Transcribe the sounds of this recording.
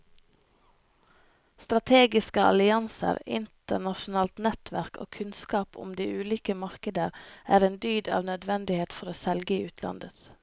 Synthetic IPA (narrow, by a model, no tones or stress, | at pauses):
st̪ɾɑt̪ʰeːɡɪskəɑ̰lɪɑnsə̰ɾɪ̰nt̪əɳɑʃʊn̩ɑːlt̪nɛt̪ʰʋæɾko̰ːkʰʉnskɑːpʊ̰md̪iːʔʉːliːkəmɑɾkəd̪əɾʔæːɾeːnd̪yːd̪ɑ̰ːʋnœd̪ʋɛnd̪ɪheːt̪fɔɾoːsɛlɡəiːʉːt̪ʰlɑ̰nd̪ət̪